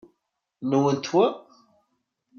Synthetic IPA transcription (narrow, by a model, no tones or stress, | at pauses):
məwənt̪wə